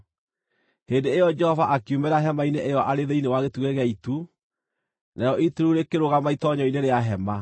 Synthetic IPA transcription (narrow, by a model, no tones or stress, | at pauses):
heːndeːjɔd͡ʒɛhɔvaʔakiumɛɾaɦɛmaineʔejɔʔaɾeðeinewaɣetuɣɛɣeaitu | najɔʔituɾuɾekeɾoɣamaitɔɲɔineɾeaɦɛma